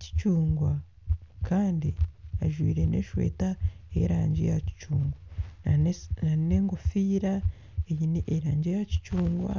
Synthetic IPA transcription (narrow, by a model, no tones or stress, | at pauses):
ci̥t͡ʃuːŋɡwa | kʰaːndiaʒwiːɾe̞ne̞̰ːʃwe̞̰ːtaḛɾaːɲɟḛjaci̥t͡ʃuːŋɡwa | naneːŋɡofiːɾa | ejiniʔeɾaːɲɟejaci̥t͡ʃuːŋɡwa̰